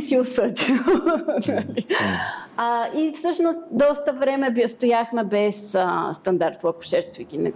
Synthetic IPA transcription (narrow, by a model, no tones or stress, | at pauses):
siʊsɤd̪ʲilˠnəli | əifsɤʃnost̪̚d̪ɔst̪əvɾɛmɛbst̪ʊjaxmɛbɛsəst̪ɐnd̪aɾt̪̚pˠɐkʊ̥ʃɛɾt̪vikʲinɛ̰